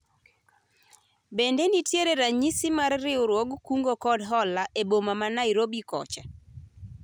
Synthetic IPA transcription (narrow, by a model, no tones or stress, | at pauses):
bendenitjeɾeɾaɲisɪmarːɪʊɾwoɡkuŋɡokɔdɦɔlaʔebomamanaiɾobikɔ̰t͡ʃa